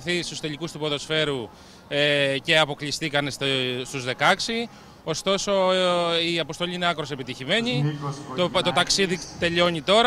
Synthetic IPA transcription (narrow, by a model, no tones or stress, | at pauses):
θist̪ust̪e̞ʎikust̪upo̞ðo̞sfe̞ɾu | ece̞ɐpo̞klist̪ikɐnesst̪uzðe̞kɐksi | o̞st̪o̞so̞iɐpo̞st̪o̞ʎiineɐkɾo̞se̞pit̪içime̞ɲiot̪o̞t̪ɐksiðit̪e̞ʎo̞ɲit̪o̞ɾ